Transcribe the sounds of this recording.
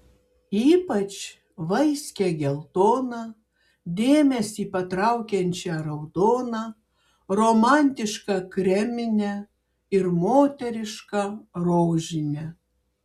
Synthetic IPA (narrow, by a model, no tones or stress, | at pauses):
iːpɐt͡ʃ | ʋɐɪsʲkʲɛɡʲɛlˠt̪oːnɑ | d̪ʲeːmʲɛsʲiːpɐt̪ɾɑʊkʲɛnʲt͡ʃʲɛɾɐwd̪oːnɑ | romɑnʲt̪ʲɪʃkɑkɾʲɛmʲɪnʲɛ | ɪɾmoːt̪ʲɛɾʲɪʃkɑrowʒʲɪnʲɛ